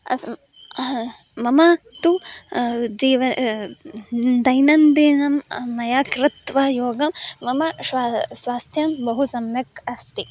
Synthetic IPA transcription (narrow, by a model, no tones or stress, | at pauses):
ɐ̰s | mɐmɐt̪u | d͡ʒiːʋɐ | d̪ɐjnɐnd̪inɐmːɐjaːkɾɪt̪ʋɐjoːɡɐmːɐmɐʃʋasʋaːst̪ʰjɐmbɐɦusɐmjɐkɐst̪i